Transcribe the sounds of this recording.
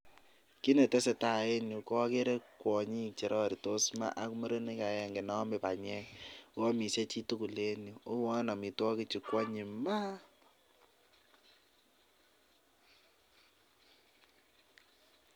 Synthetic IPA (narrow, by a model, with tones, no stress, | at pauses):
ki˦ne˨te˦sɛ˨ta˦˨e˦nu˨kɔ˦ke˦ɾe˦kwɔ˨ɲi˦t͡ʃe˨ɾɔ˦ɾi˨to˦sma̰˦ʔa˦ku˦mə˦ɾe˦ni˦ka˨ɛ˨ŋɡe˨nɔ˦me˨pa˨ɲɛ˦ɔ˦mi˨se˦t͡ʃi˦tu˦ku˨le˦nju˨o˦wɔ˦nɔ˨mi˨twɔ˦ki˦t͡ʃi˨kwɔ˦ɲi˨ma˦